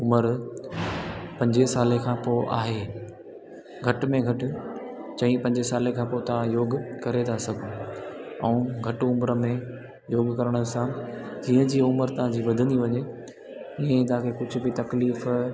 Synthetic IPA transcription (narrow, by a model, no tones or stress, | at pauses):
ʊməɾ | pɐ̃ɲd͡ʑesaːlekʰãːpoːʔa̰ːɦeː | ɡʱɐʈmẽɡʱɐʈʊ̆t͡ɕɐ̃ɦĩpɐ̃ɲd͡ʑesaːlekʰãːpot̪ɐʋ̤ãjoːɡʊkɐɾet̪ʰasɐɡʱõ | ɛũɡʱɐʈʊmɾə̆mẽ | joːɡkɐɾəɽ̃əsãd͡ʑiːə̃d͡ʑiːʊməɾt̪ɐʋãd͡ʑiːʋɐd̪ʱə̃nd̪iʋɐɲe | ɪɦẽt̪̬ɐɦãkʰekʊd͡ʑʱʊ̆bɪt̪ɐkliːf